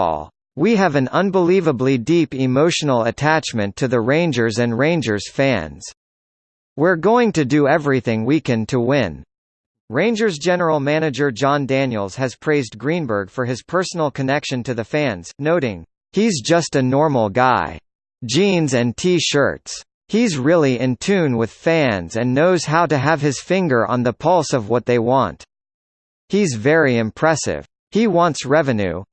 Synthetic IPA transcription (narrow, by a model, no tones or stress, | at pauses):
ɔ̰lˠ | wiɨvɨ̃nʌ̃nbəlivəblidipɪmoʊʃn̩l̩ˠətʰæt͡ʃmɨ̃ntʰɨðɨɹẽɪ̃nd͡ʒə˞zɨ̃nɹẽɪ̃nd͡ʒə˞z̥fæ̰̃nz̥ | wɪɹɡoʊɪ̃ŋtɨdɨɛvɹiθɪ̃ŋwikɨ̃ntʰəwɪ̃n | ɹẽɪ̃nd͡ʒə˞zd͡ʒɛnə˞l̩ˠmænɨd͡ʒə˞d͡ʒɑ̃ndæ̃njl̩ˠz̥ɨz̥pʰɹ̥eɪzɡɹĩnbə˞ɡ̥fə˞ɨz̥pʰɜ˞sn̩l̩ˠkʰɨnɛkʃɨ̃ntʰɨðɨfæ̃nz̥noʊɾɪ̃ŋ | hizd͡ʒʌstɨnɔɹml̩ˠɡaɪ̥ | d͡ʒĩnzɨ̃ntʰiʃɜ̰˞ts | hizɹɪlˠiɪ̃ntʰʉ̃nwɪð̥fæ̃nzɨ̃nːoʊz̥haʊɾɨəv̥ɨz̥fɪ̃ŋɡə˞ʔə̰̃nðəpʰʌlˠsʌvwʌt̪̚ðeɪwɑ̰̃nt | hizvɛɹiɨ̃mpʰɹ̥ɛsɪ̰v̥ | hiwɑ̃ntsɹɛvɨnʉ̰